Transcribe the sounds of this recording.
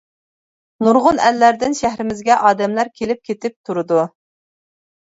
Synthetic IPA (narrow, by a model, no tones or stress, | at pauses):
nuɾʁʊnælːæɾd̪ɪnʃæɦɾɪmɪzɡʲɛʔɑːd̪ɛmlæɾkʲʰelɪp̚kʲʰet̪ʰɪp̚t̪ʰuɾɨd̪u